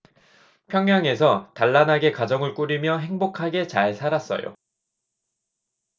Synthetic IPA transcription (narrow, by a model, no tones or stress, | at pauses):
pʰjʌŋjaŋe̞sʰʌtaɭːanaɡe̞kad͡ʑʌŋɯɭk͈uɾimjʌɦe̞ŋbokʰaɡe̞t͡ɕaɭsʰaɾas͈ʌ̰jo̰